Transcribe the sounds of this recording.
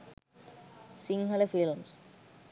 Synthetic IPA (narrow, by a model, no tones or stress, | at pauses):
siŋɦɐlefilms